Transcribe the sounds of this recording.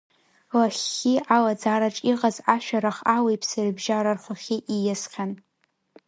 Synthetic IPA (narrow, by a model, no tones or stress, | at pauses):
laχʲːiʔalad͡zaɾaʈ͡ʂʼiqʼazaʃᶣaɾaχawejpʰsarbʒaɾarχʷaχʲiʔijasqʲan